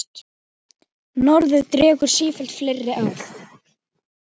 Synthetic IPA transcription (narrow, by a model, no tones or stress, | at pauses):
nɔɾðʏðt̪ɾɛːkʏɾ̥siːfɛlt̪flejrːɪʔawθ